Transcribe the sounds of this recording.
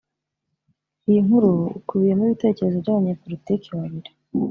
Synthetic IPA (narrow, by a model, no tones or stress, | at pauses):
ijiŋhuɾuṵkuβije̞muiβite̞ːce̞ɾe̞zovɟaːβaɲeːpo̞litiːkiwaβiɾe